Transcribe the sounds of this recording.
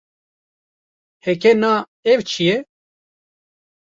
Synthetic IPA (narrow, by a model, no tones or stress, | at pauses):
hekena | evt͡ʃʰije